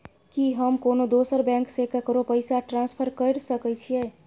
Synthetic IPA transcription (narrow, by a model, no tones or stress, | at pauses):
kiɦəmkonod̪osəɾbɛ̃ŋksekakəɾopəjsaʈɾãnspʰəɾkəɽsəkət͡ʃʰijɛ